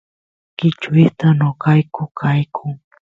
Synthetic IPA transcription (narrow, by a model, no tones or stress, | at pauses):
kɪt͡ʃʊist̪anokajkʊkʰajkʰʊŋ